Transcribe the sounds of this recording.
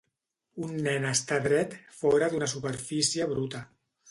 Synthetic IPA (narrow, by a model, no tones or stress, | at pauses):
unːɛnəst̪aðɾɛt̪fɔɾəðunəsupəɾfisiəβ̞ɾut̪ə